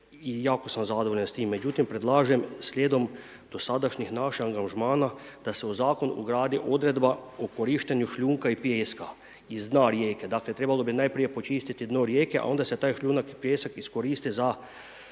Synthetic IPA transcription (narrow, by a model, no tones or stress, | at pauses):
ijaːkosamzad̪oʋoʎenst̪iːmːed͡ʒut̪impɾed̪laːʒɛmslʲjeːd̪om | d̪̥osaːd̪aʃɲixnaːʃiaŋɡaʒmaːnad̪̥asɛozaːkonṵɡɾaːd̪iʔod̪ɾed̪baokoɾiːʃt̪eɲjuʃlʎuːŋkaipjeːska | izd̪naɾjeːkɛd̪aːklet̪ɾebalobinajpɾijepot͡ʃiːst̪it̪id̪noɾjeːkɛʔa̰o̞nd̪asɛt̪aːjʃʎʲuːnakipjeːsakiskoɾiːst̪iza